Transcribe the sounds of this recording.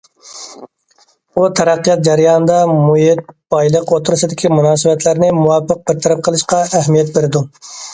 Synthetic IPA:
ut̪ʰɛɾæqːijɑt̪̚d͡ʒæɾijɑnɨd̪ɑmujɪt̪̚b̥ɑjlˠəqot̪ʰuɾusɨd̪ɪkʲimunɑːsɨbɛt̪ʰlæɾnɪmuwɑpːəq̚bɪɾt̪ʰæɾɨp̚qʰəlˠɨʃqɑæhmijɛt̪̚beɾɪd̪u

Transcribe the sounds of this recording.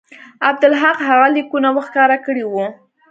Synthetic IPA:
ab̚d̪ʊlɦaqɦaɣalikunawəxkɑɾakəɽiwu

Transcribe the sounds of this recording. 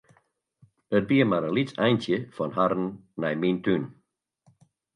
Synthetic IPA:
ət̚biːəmaɾəlitɛjntjəfɔnɦaɾn̩ːɛjmintyn

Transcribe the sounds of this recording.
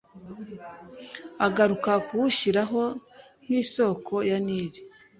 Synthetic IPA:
aɡaɾukakuuçiɾaɦo̞ | n̥iːso̞ːkʰo̞janiːβi

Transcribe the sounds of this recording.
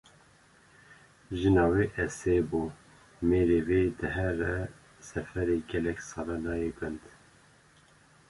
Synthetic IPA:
ʒɨnɑːweːʔɛseːbuː | meːɾeːveːd̪ɨɦɛɾɛ | sɛfɛɾeːɡɛlɛksɑɾɑnɑːjeɡɨnd̪

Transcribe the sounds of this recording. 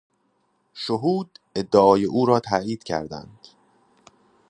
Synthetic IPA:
ʃoɦuːd̪e̞d̪ːeɒːjeʔuːɾɒːt̪ʰæiːd̪̥cʰæ̰ɾd̪æ̰nd̪̥

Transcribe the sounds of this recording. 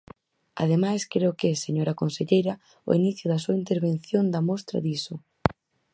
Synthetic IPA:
a̰ðemajskɾeʊkɛseɲoɾɐkonseʎejɾɐ | ʊ̰iniθjʊðɐsuaint̪eɾβenθjond̪ɐmɔst̪ɾɐ̰ðisʊ

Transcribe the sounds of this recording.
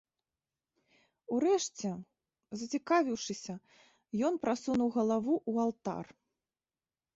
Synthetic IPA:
uɾɛʂt͡sʲɛ | zɐt͡sʲikavʲiwʂɨsʲɐ | jɔnpɾasunuwɣɐlˠavuʔualˠt̪a̰r

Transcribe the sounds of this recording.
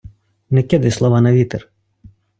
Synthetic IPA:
nɛkʲɛd̪ɐjslˠɔʋanɐʋʲit̪ɛr

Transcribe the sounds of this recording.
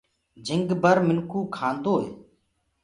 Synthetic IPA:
d͡ʒɪŋɡbəɾmɪnkuːkʰãːnd̪oːɦeː

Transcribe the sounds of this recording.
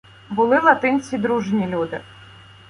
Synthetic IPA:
bʊlˠɪlˠɐt̪ɪnʲt͡sʲid̪ɾuʒnʲilʲud̪ɪ̰

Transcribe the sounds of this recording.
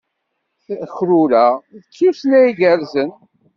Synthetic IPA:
çɾuɾæðət͡sːisnæiɡəɾzən

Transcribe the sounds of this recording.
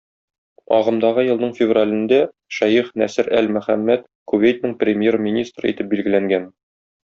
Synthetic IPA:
ɒʁɤ̆md̪ɑʁɤjɤ̆lˠd̪ɤɴfʲɪvralʲɘ̆nd̪æ | ʃæjiχnæsɘɾælmæ̆χæmːæt̪ | kuvejt̪nɘɴprʲɪmʲjermʲinʲist̪rɤ̰ḭt̪ɘp̚bilɡɘ̆læŋɡæn

